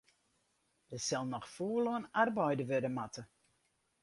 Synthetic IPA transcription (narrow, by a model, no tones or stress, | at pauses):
dəsɛlˠnɔxfoːloənarbɔjdəʋødəmatʰə